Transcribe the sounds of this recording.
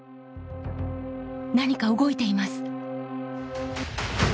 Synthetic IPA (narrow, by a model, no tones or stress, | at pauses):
naɲ̟ikaɯɡo̞it̪e̞imasɨ̥